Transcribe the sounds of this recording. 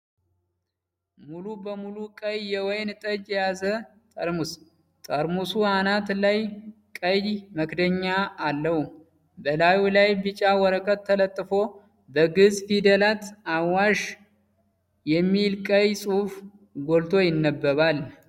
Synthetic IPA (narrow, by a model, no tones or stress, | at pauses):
mulubəmulukʼəjːɛwɔjnt̪ʼəd͡ʒjɛjazə | t̪ʼəɾmus | t̪ʼəɾmusuhanat̪lajkʼəjməkd̪əɲːaːlːəhu | bəlajulajbɨt͡ʃʼawɔɾəkʼət̪ʰːələt̪ʼːɨfo̞ | bəɡɨzfid̪əlat̪awaʃ | jɛmːilkʼəjsʼuf | ɡo̞lt̪ʰo̞jɪnːəbːəβal